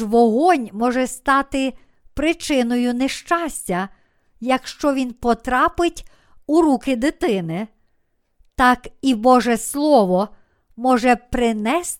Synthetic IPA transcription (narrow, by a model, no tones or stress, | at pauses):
ʋɔɦɔnʲmɔʒɛst̪ɑt̪ɪ | pɾɪt͡ʃɪnɔjʊneʃt͡ʃɑsʲtʲɐ | jɐkʃt͡ʃɔʋʲinpɔt̪ɾɑpɪtʲ | uɾukɪd̪ɪt̪ɪnɪ | t̪ɑkibɔʒɛslˠɔʋɔ | mɔʒɛpɾɪnɛs